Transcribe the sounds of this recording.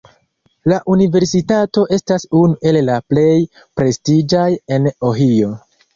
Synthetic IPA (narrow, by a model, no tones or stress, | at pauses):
laʔunive̞ɾsitato̞ʔe̞stasunuʔe̞lːaple̞j | pɾe̞stid͡ʒaje̞noɦio̞